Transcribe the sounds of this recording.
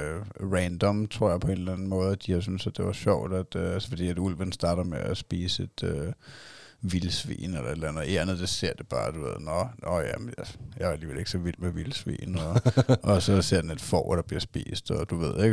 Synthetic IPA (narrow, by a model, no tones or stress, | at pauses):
ʁɛnd̥ɒ̽mt͡sʰʁo̝ɐ̰jɑ̈ɪpʰɒ̽e̝nlænn̩mɔ̽ːð̞ˠd̥ihɑs̬ynsæd̥e̝ʋɑɕɒʊ̰d̥æd̥ælsəfɒ̽d̥ḭːæd̥ul̰ʋənsd̥ɑ̈ːɾ̥ɐmeʔæsb̥iːsəe̝d̥ø | ʋilsʋḭːnelɐe̝d̥l̩ænð̩ˠe̝d̥lænð̩ˠd̥ese̝ɐ̰d̥e̝b̥ɑ̈ːd̥uʋe̝ð̞̰ˠnɒnɒjæmnjæjɑ̈ææliːʋele̝ɡ̥sɒ̽ʋil̰̥meʋilsʋḭːnɒɒʔɒ̽sɒ̽se̝ɐ̰d̥ene̝d̥fɒ̰ʊd̥ɑ̈b̥liɐsb̥ḭːsd̥ɒd̥uʋe̝ð̞̰ˠeɡ̥